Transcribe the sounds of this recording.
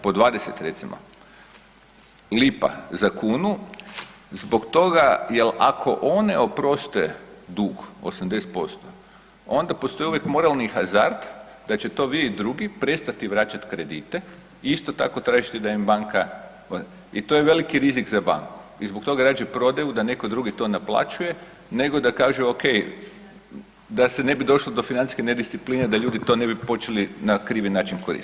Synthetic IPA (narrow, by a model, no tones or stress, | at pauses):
pod̪ʋaːd̪eset̪ɾet̪simʔo̰ | lipa̰zakuːnu | zbo̞kt̪o̞ɡajela̰kʰo̞ʔo̞neo̞pɾo̞st̪ed̪uɡo̰samd̪ese̥t̪po̞st̪o | o̞nd̪apost̪o̞iuʋjekmo̞ɾalnixaza̰ɾt̪ | d̪at͡ɕe̞t̪o̞ʋieid̪ɾuɡipɾe̞t̪st̪at̪iʋɾat͡ɕat̪kɾed̪it̪e | iist̪o̞t̪a̰ko̞t̪ɾaːʒit̪ɛd̪aimbaŋka | it̪ojeʋe̞likiɾizikzaba̰ŋku̥izbok̚t̪o̞ɡaɾaːd͡ʒepɾo̞d̪ajud̪ane̞kod̪ɾuɡit̪o̞naplˠa̰t͡ʃuje̞ | ne̞ɡo̞d̪akaːʒuoke̞j | d̪asene̞bid̪o̞ʃlˠod̪o̞finani̥skened̪issipliːned̪aʎuːd̪it̪o̞ne̞bipo̞t͡ɕe̞linakɾiːʋinaːt͡ʃinkoɾḭs